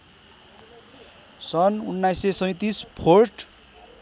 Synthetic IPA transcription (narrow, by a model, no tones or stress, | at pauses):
sʌnunːajsesʌ̃j̃t̪ispʰorʈ